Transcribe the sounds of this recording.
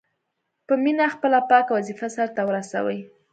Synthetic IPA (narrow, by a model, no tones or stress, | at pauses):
pəminaxpəlapɑkawazifasaɾt̪awəɾasa̰wəj